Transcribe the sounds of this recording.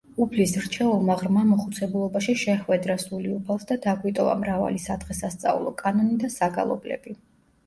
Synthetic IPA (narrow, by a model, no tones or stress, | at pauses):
upʰlisɾt͡ʃʰɛulˠmaʁɾmamɔχut̪sʰɛbulˠɔbaʃiʃɛχwɛd̪ɾasuliupʰalˠsd̪ad̪aɡwit̪ʼɔva̰mɾava̰lisad̪ʁɛsast̪sʼa̰ṵlˠɔkʼanɔnid̪asaɡa̰lˠɔ̰blɛ̰b̥i